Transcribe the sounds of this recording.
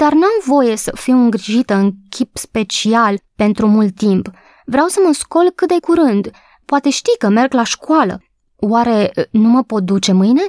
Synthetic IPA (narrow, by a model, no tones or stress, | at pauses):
d̪̥arnamvo̞je̞səfiwɨŋɡɾiʒit̪əɨŋkʲʰipspe̞t͡ʃialpe̞nt̪ɾumult̪ːimp | vɾeawsəməsko̞lkɨt̪̚d̪e̞kuɾɨnd̪ | poat̪e̞ʃt̪ikəme̞rɡlaʃkwalə̰ | waɾe̞numəpo̞t̪̚d̪ut͡ʃe̞mɨjne̞